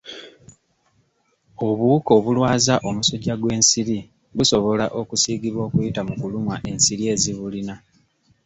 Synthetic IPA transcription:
o̞βuko̞βulwaːzaʔo̞musoɟaɡwe̞ːnsiɾi | βuso̞βo̞laʔo̞kusiːɡiβwo̞ːkujitamukulumwaʔe̞nsiɾie̞ːziβulina

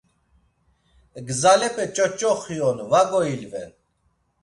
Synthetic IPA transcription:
ɡzalɛpʼɛt͡ʃʼɔt͡ʃʼɔχiɔnvaɡɔilvɛ̰n

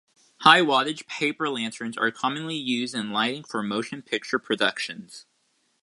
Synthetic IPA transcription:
haɪwɑɾɨ̥d͡ʒ̥pʰeɪpə˞læ̃ntʰə̃˞nzə̰˞kʰɑmɨ̃nlijʉzdɨ̃nlaɪɾɪ̃ŋfə˞moʊʃɨ̃npʰɪk̚t͡ʃə˞pʰɹ̥ɨdʌkʃɨ̃nz̥

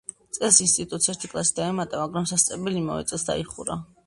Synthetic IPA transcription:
t̪sʼɛlsinst̪ʼit̪ʼut̪sɛɾt̪ʰi̥kʼlˠasi̥d̪aɛmat̪ʼamaɡɾamsast̪sʼɛbɛlima̰vɛ̰t̪sʼɛsd̪a̰iχṵɾa

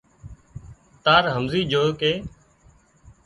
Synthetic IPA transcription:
t̪aːɾɦəmziːd͡ʒoːkeː

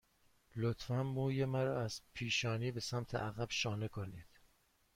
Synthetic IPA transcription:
lot̪fæmːuːjemæɾɒːæz̥pʰiːʃɒːniːbe̞sæmt̪ʰḛʔæɣæb̥ʃɒːnekʰoniːd̪̥

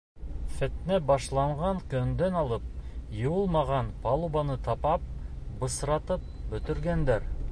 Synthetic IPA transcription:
fæt̪næbɑʃlˠɑɴʁɑɴkɵ̆nd̪ænɑlˠɤp̚jɤ̆wɤlˠmɑʁɑnpɑlˠubɑnɤt̪ɑpɑp̚bɤ̆sɾɑt̪ɤp̚bɵ̆t̪ɵ̆ɾɡænd̪æɾ

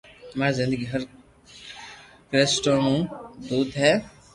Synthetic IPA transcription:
maːɾzɪ̃nd̪əɡiɦɐɾ | kɾesʈonũd̪uːd̪ɦɛː

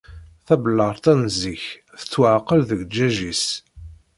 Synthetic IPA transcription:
θæbəlːəʁˤt̪ænziç | θə̥t͡sːwəʕqəlðəɡd͡ʒæʒis

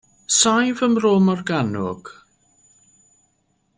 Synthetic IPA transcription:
sajvəmrɔːmɔrɡanʊ̰ɡ̥

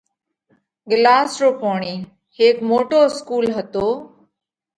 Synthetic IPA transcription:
ɠɪlaːsɾoːpoːɳiː | heːkmoːʈoːɪskuːlɦət̪oː

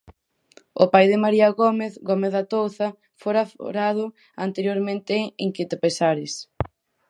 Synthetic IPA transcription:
ʊpajðɪmaɾiɐɣomeθɣomeθðat̪owθɐ | foɾafɾað̞ʊ | ant̪eɾjoɾmẽnt̪eeŋkɪt̪epesaɾɪs

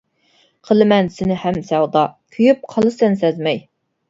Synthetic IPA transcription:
qʰəlˠɨmɛnsɪnɪhɛmsæwd̪ɑkʲʰyjyp̚qʰɑlˠɨsɛnsɛzmɛj

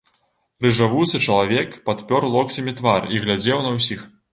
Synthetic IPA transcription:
rɨʐavuwsɨt͡ʂɐlˠavʲɛkpat̪pʲɔɾlˠɔksʲɐmʲit̪variɣlʲad͡zʲɛwnɐwsʲix

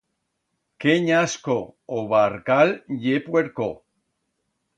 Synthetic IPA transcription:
keɲaskooβaɾkalʎepweɾko

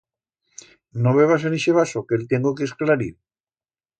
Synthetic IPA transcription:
noβeβas̬eniʃeβasokelt̪eŋɡokesklaɾḭɾ

